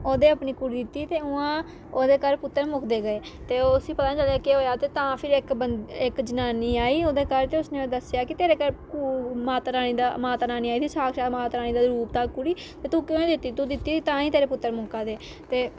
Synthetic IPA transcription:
oːd̪eːəpniːkuɾiːd̪ɪt̪ːiːt̪eːʊãː | oːd̪eːkəɾpʊt̪ːəɾmʊkʰd̪eːɡəeːt̪eːoːsiːpət̪aːt͡ʃəlaːkeɦoːjaːt̪eːt̪ãːpʰɪɾɪkbənɪkd͡ʒənaːniːaːiːoːd̪eːkəɾt̪eːʊsnẽːod̪əsjaːkɪt̪eːɾeːkəɾkumaːt̪ɾaːniːd̪aːmaːt̪naːniːaːit̪iːsaːkʃaːmaːt̪ɾaːnĩːd̪aːɾuːpt̪aːkuɽiː | t̪eːt̪ũːkɪẽːd̪ɪt̪ːiːt̪ũːd̪ɪt̪ːiːiːt̪ãːĩːt̪eːɾeːpʊt̪ːəɾmʊkaːd̪eː | t̪eː

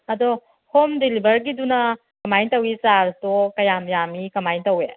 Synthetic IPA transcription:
ɐdo | homdelibɐɾɡidunɐ | kɐmajntɐwisaɾtokɐjamjamikɐmajntɐwe

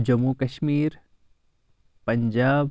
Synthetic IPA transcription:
d͡ʒɐmukɐʃmiːɾ | pɐ̃ɲd͡ʒaːb

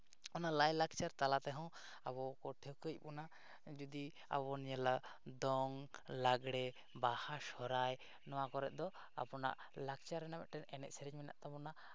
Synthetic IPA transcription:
ɔnaʔlajlakt͡ʃaɾt̪alat̪ɛɦɔ̃w | abɔkɔʈʰekəc̚buna | d͡ʒud̪i | a̰bɔnijalad̪ɔŋlaɡɽɛ | bahaʃɔɾaj | nɔwakɔɾɛʔ̪̚ˀd̪ɔ | a̰pɔna̰ʔ | lak̚t͡ʃaɾːɛnamɛ̰ʔ̪ʈɛnɛnɛ̰ʔ̚sɛɾɛd͡ʒmɛna̰ʔt̪abɔna

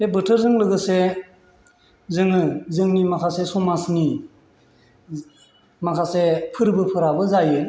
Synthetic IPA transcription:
bebɯtʰɯɾzɯŋlɯɡɯse | zɯŋɯzɯŋnimakʰasesɔmasni | makʰasepʰɯɾbɯpʰɯɾabɯzajɯ

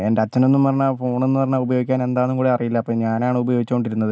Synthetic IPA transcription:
endeɐt͡ɕːɐno̞nːumpɐrɐɲːaːfo̞ːɳo̞nːumɐrɐɲːaːubɐjo̞ːɡikʲːaːne̞nd̪aːnːumkuːɽiɐrijilːɐpːoːɲaːnaːɳɨubɐjo̞ːɡit͡ɕːukoɳɖiɾunːɐðɨ

